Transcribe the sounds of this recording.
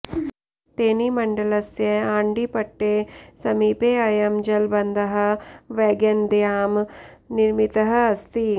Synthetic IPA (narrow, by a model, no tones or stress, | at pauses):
t̪eːnimɐɳɖɐlɐsjɐaːɳɖipɐʈːeːsɐmiːpeːɐjɐmd͡ʒɐlbɐnd̪ʱɐɦɐ̆ʋɛːɡɐnd̪jaːmniɾmit̪ɐɦɐ̆ɐst̪i